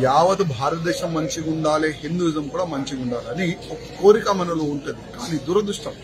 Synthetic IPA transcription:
jaːʋɐt̪ubʱaːɾɐt̪ɐd̪ɛːʃɐmːɐɲt͡ʃiɡuɳɖaːleːɦind̪ud͡ʒɐmkuːɽaːmɐɲt͡ʃiɡuɳɖaːlɐniokɐ̥ko̞ːɾikɐmɐnɐloːuɳʈund̪ikaːniːd̪uːɾɐd̪uʂʈɐm

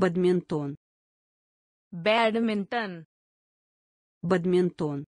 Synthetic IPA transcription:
bɐd̪mʲent̪oːn | bæɖmɪntən | bɐd̪ment̪oːn

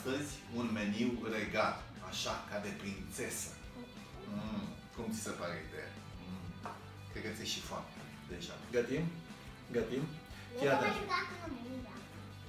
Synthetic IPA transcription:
t̪əzʲunme̞niwre̞ɡat̪ | aʃakad̪e̞pɾint̪se̞sə | kumt̪si̥sepaɾeḭd̪eja̰ | kɾed̪ket̪sʲjeʃifa̰n | d̪e̞ʒa̰ɡət̪im | ɡət̪im | kjat̪ə

